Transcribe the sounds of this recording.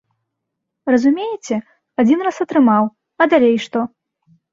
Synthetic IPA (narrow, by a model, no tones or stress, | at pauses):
rɐzumʲejɪt͡sʲɛ | ad͡zʲinrasɐt̪ɾɨmaw | ɐd̪alʲejʂt̪ɔ